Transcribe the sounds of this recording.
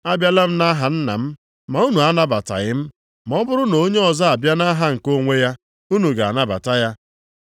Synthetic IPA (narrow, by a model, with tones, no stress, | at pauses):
a˦bja˦la˦m̩˦na˦ɦa˨n̩˦na̰˨m̩˦ | ma˨u˦nu˨a˦na˦ba˨ta̰˨ɣɪ˦m̩˦ | m˨ɔ˦bʊ˦ɾʊ˦no˨˦ɲe˦ɔ˨za˦a˨bja˦na˦ɦa˦ŋ̩˨ko˦ŋʷe˦ja˦ | u˦nu˨ɡa˨a̰˨na˦ba̰˨ta˦ja˦